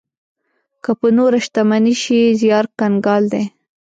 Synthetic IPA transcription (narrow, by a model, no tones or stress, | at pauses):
kəpənoɾaʃt̪amaniʃizjɑɾkanɡɑld̪e